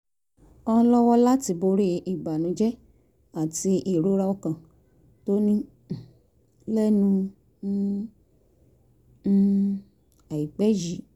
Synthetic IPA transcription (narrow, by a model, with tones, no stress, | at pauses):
ɔ̃˦˧˦lɔ˦wɔ˦la˦ti˧bo˧ɾe˦i˦˨ɡ͡ba˨nũ˨˧˦d͡ʒɛ˦ | a˨ti˧ʔi˨ɾo˨˦ɾa˧ɔ˧kã˨ | to˦nĩ˦˨ | lɛ˦nũ˧˦ | a˨ji˨k͡pɛ˨˦d͡ʒi˨˦